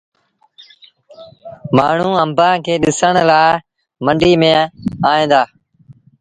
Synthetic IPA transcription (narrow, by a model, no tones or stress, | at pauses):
maːɳ̤ũːəmbãːkʰeːɗɪsəɳlaː | məɳɖiːmẽːaːẽːnd̪aː